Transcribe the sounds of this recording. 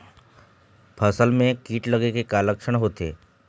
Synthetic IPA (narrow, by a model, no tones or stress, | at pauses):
pʰəsəlmẽkiːʈləɡekekaləkʂəɳ̃ɦot̪ḛ